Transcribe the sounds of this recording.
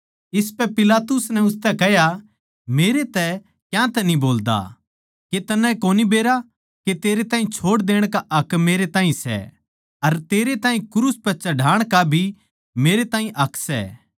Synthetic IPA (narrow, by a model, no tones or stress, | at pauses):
ɪspɛpɪlaːt̪ʊsnɛʊst̪ɛkɛɦja | meːɾet̪ɛ | kjãt̪ɛnĩboːld̪a̰ | ket̪ɐnãkoːnibeːɾa | ket̪eːɾet̪ãːĩt͡ʃʰoːɽd̪eːɽ̃kaʔɐkmeːɾet̪ãːĩsɛ̰ | ɐɾt̪eːɾet̪ãːĩkʊɾuspɐt͡ʃɐɖʱaːɽ̃kabʱi | meːɾet̪ãːĩʔɐkʰsɛ̰ː